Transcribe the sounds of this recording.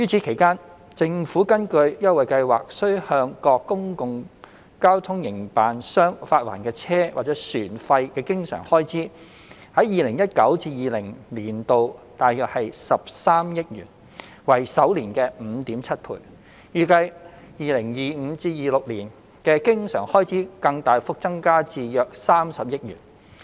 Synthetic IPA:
jyː˥t͡sʰi˨˥kʰe˨˩jkaː˥n | t͡sɪ˧ŋfuː˨˥kɐ˥nkɵ˧ɥjɐ˥t̚wɐ˨jkɐ˧jwa̰ː˨k̚sɵ˥ɥhœː˧ŋkɔː˧kːʊ˥ŋkʊ˨˧ŋ | kaː˥wt̪ʰʊ˥ŋjɪ˨˩ŋpaː˨nsœː˥ŋfaː˧t̚wa̰ː˨˩nkɛː˧t͡sʰɛː˥wʔaː˨t̚t͡sɛ˨˥syː˨˩nfɐ˧jkɛː˧kɪ˥ŋsœ̰ː˨˩ŋhɔː˥jt͡siː˨˥ | hɐ˨˥jjiː˨lɪ˨˩ŋjɐ˥t̚kɐ˨˥wt͡siː˧jiː˨lɪ˨˩ŋliː˨˩nt̪o˨wt̪aː˨jjœː˨k̚hɐ˨jsɐ˨p̚saː˥mjɪ˥t̚jyː˨˩ | wɐ˨jsɐ˨˥wliː˨˩nkɛː˧m̩ː˨˧t̪iː˨˥mt͡sʰɐ˥t̚pʰṵː˨˩j | jyː˨˩kɐ˧j | jiː˨lɪ˨˩ŋjiː˨m̩˨˧t͡siː˧jiː˨lʊ˨k̚liː˨˩n | kɛː˧kɪ˥ŋsœ̰ː˨˩ŋhɔː˥jt͡sʰiː˨˥kɐ˧ŋt̪aː˨jfʊ˥k̚t͡sɐ˥ŋkaː˥t͡siː˨˧jœː˨˧k̚saː˥msɐ˨p̚jɪ˥t̚yː˨˩n

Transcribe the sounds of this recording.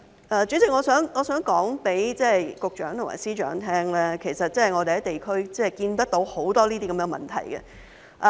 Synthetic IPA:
ʔɛː˨˧t͡ʃyː˨˥t͡sɪ˨k̚ŋɔː˨˧sœː˨˥ŋŋɔː˨˧sœː˨˥ŋkɔː˨˥ŋpe˨˥jt͡sɛː˥˩˨jkʊ˨k̚t͡ʃœ̰ː˨˥ŋt̪ʰʊ˨˩ŋa̰ː˨˩siː˥t͡ʃœ̰ː˨˧˥ŋt̪ʰɛː˥ŋlɛː˥kʰe˨˩jsɐ˨t̚t͡sɐ˥˨jŋɔː˨˧e˨hɐ˨˥t̪e˨˩jkʰɵ˥ɥt͡sɛː˥˩˨jkiː˧nt̪ɐ˥k̚t̪o˨˥who˨˥wt̪ɔː˥liː˥t̪iː˥kɐ˨˧mɛ˥˧mɐ̰˨˩nt̪ʰɐ̰˨˩jɡɛ̰˧ | ʔ

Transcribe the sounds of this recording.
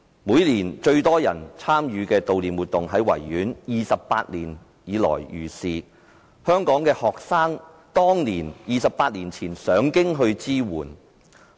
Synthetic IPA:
muː˨˧jliː˨˩nt͡ʃɵ˧ɥt̪ɔː˥jɐ˨˩nt͡sʰaː˥mjyː˨˧kɛː˧t̪o˨wliː˨nwuː˨t̪̚ʊ˨ŋɦɐ˨˥jwɐ̰˨˩jːyː˨˥njiː˨sɐ˨pːa̰ː˧t̚liː˨˩n | jiː˨˧lɔ̰ː˨˩jjyː˨˩siː˨ | hœː˥ŋkɔː˨˥ŋkɛː˧hɔː˨k̚saː˥ŋ | t̪ɔː˥ŋniː˨˩njiː˨˩sɐ˨pːaː˧t̚liː˨˩nt͡sʰiː˨˩nsœː˨˥ŋkɪ˥ŋɦɵ˧ɥt͡siː˥wṵː˨˩n

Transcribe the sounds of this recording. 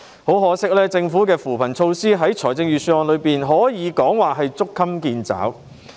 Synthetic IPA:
ho˨˥wɦɔː˨˥sɪ˥k̚lɛː˥t͡sɪ˧ŋfuː˨˥kɛː˧fuː˨˩pʰɐ˨˩nt͡sʰo˧wsiː˥ɦɐ˨˥jt͡ʃʰɔː˨˩jt͡sɪ˧ŋjɥyː˨˩syː˧wɔː˧nlɵ˨˧ɥpiː˨nɦɔː˨˥jiː˨˧kɔː˨˥ŋwaː˨ɦɐ˨jt͡sʊ˥kʰːɐ˥mkiː˧nt͡sa̰ː˨˥w

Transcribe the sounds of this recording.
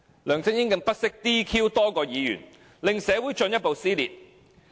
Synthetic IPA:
lœː˨˩ŋsɪ˥ŋjɪ˥ŋkɪ˧ŋpɐ˥t̚sɪ˥k̚t̪iː˥kʰiː˥wt̪ɔː˥kɔː˧jiː˨˧jy̰ː˨˩n | lɪ˨ŋsɛː˨˧wu˨˥jt͡ʃɵ˧njɐ˥t̚po˨wsiː˥lḭː˨t̚

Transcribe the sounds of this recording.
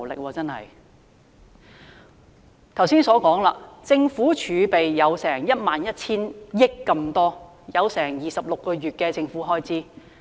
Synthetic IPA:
lɪ̰˨k̚wɔː˧t͡sɐ˥nhɐ˨j | t̪ʰwsiː˥nsɔː˨˥kɔː˨˥ŋla̰ː˧t͡sɪ˧ŋfuː˨˥t͡ʃʰyː˨˧pe˨jjɐ˨˧wsɛː˨˩ŋjɐ˥t̚maː˨njɐ˥t̚t͡sʰiː˥njɪ˥kːɐ˧mt̪ɔː˥ | jɐ˨˧wsɛː˨˩ŋjiː˨˩sɐ˨p̚lʊ˨kːɔː˧ɥyː˨t̚kɛː˧t͡sɪ˧ŋfuː˨˥ɦɔː˥jt͡sʰiː˨˥

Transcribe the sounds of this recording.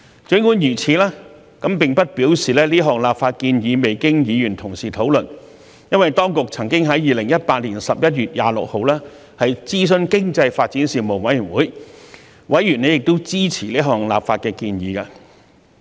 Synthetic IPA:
t͡ʃɵ˨˥ŋu˨˥njyː˨˩t͡sʰiː˨˧lɛː˥ | kɐ˨˥mpɪ˨˩ŋpɐ˥t̚piː˨˥wsiː˨lɛː˥liː˥ɦɔː˨ŋlaː˨p̚faː˧t̚kiː˧njiː˨˧me˨jkɪ˥ŋjiː˨˧jyː˨˩nt̪ʰʊ˨˩ŋsiː˨˩t̪ʰo˨˥wlɵ˨n | jɐ˥nwɐ˨jt̪ɔː˥ŋkʊ˨k̚t͡sʰɐ˨˩ŋkɪ˥ŋɦɐ˨˥jjiː˨lɪ˨˩ŋjɐ˥t̚paː˧t̚liː˨˩nsɐ˨p̚jɐ˥t̚jyː˨t̚jaː˨˧lʊ̰˨k̚ho˨˧wlɛː˥ | hɐ˨jt͡siː˥s̬ɵ˥nkɪ˥ŋt͡sɐ˧jfaː˧t̚t͡siː˨˥nsiː˨mo˨˩ŋwɐ˨˥jyː˨˩nwuː˨˥j | wɐ˨˥jɥyː˨˩ne˨˧jɪ˨k̚t̪o˥wt͡siː˥t͡sʰiː˨˩liː˥ɦɔː˨˩ŋla̰ː˨pfaː˧t̚kɛː˧kiː˧njiː˨˧kaː˧

